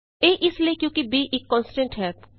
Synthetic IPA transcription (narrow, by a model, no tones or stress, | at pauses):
eːʔɪsliekjõːkibʱiʔeːkːɔ̃ːnsʈə̃ɳʈɦɛːp